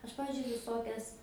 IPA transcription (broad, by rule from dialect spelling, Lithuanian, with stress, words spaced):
ˈɐʃ ˈpɑːʋʲɪzʲd͡ʒʲʊɪ ʋʲɪˈsoːkʲɛs